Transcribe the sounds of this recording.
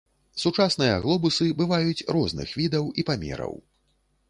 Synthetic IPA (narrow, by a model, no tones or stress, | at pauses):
sut͡ʂasnɨjɐɣlˠɔbusɨbɨvajut͡sʲrɔznɨ̰xvʲid̪ɐwipamʲɛ̰ɾɐ̰w